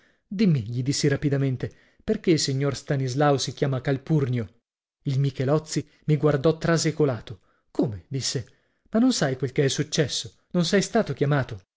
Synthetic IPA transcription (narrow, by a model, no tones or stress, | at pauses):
d̪imːiʎid̪isːiɾapid̪ament̪e | perk̟eilsiɲːorst̪anizlawsikʲjaːmakalpurnjo | ilmikelɔt̪sːi | miɡward̪ɔt̪ːɾazekolaːt̪o | koːmed̪isːe | manːonsajkwelkeɛsːut͡ʃːɛsːo | nonsɛjst̪aːt̪okjamaːt̪o